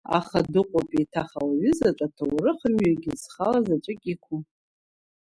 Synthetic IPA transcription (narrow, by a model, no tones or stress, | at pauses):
a̰χadɨqʷʼapʼitʰaχawaɥʏzaʈ͡ʂʼatʰawɾɨχəmɥaɡʲɪzχalazaʈ͡ʂʼɨkʲʼikʷʰum